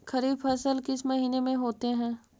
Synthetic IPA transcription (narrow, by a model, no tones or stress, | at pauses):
xɐɾiːbfʰɐsəlkɪsmɐɦiːnemẽɦoːt̪eɦɛ̃ː